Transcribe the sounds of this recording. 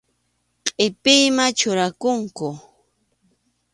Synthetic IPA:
qʼɪpɪjmat͡ʃʊɾakʊŋkʊ

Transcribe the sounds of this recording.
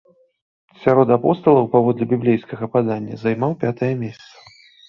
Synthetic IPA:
sʲaɾɔt̪apɔst̪ɐlˠɐwpavɔd̪lʲɛbʲiblʲejskɐɣɐpad̪anʲːɐ̰zajmawpʲat̪ɐjɐmʲesʲɐt̪sɐ̥

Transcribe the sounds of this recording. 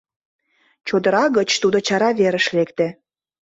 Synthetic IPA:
t͡ɕod̪əɾɑɣət͡ɕt̪ud̪ot͡ɕɑɾɑβeɾə̆ʃlekt̪e

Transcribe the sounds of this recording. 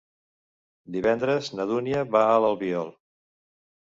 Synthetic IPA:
d̪iβɛnd̪ɾəznəðuniəβaələlˠβiɔlˠ

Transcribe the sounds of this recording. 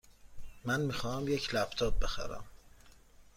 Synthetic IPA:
mænmiːxɒːhæmjecʰlæbt̪ʰɒːt̪̚be̞xæ̰ɾæ̰m

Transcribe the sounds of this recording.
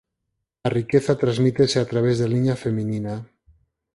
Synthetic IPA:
larikeθat̪ɾazmit̪eseat̪ɾaβ̞ezðeliɲafeminina

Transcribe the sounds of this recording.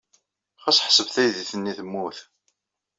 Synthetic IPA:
χæsħə̥səvθæjðiθənːiθəmːuθ

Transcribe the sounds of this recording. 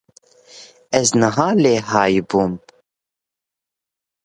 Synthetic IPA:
ɛznəɦɑːleːɦɑːjbuːm

